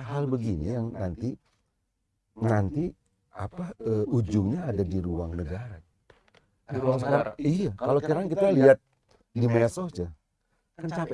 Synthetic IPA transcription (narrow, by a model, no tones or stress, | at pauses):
ɦalbəɡinḭjaŋnant̪i | nant̪i | apaəud͡ʒʊŋɲaːdadiɾuaŋnəɡaɾa | akaskaɾijakalokiɾaŋkit̪aliat̪̚ | dimesɔt͡ʃa | kant͡ʃap